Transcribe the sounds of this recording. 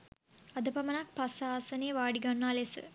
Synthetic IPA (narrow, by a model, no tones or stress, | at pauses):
ɐd̪ɐpɐmɐnaːk̚pɐsaːsɐneːʋaːɽiɡɐɳːaːlesɨ̰